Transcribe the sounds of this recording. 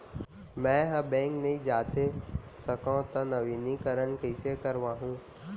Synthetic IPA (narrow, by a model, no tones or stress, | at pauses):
mɛ̃ːɦɐ̃bɛ̃ːŋknɐĩd͡ʑaːt̪esɐkõt̪ɐnɐʋiːnikɐɾənkɐisekɐɾʋãːɦũː